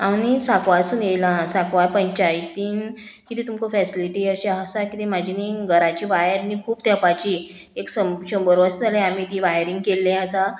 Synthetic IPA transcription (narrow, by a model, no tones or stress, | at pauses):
awñisakʋasuːnjejlãsakʋajpəɲt͡ɕajt̪iːnkit̪it̪umkofɛsiliʈiəɕaəsakit̪emad͡ʑʱiniɡəɾat͡ɕiːʋajəɾnikʰuːbt̪apat͡ɕi | eksəɕəmbəɾʋasalẽam̤iːt̪iʋaɦjɾiŋɡ̚kelːẽəsa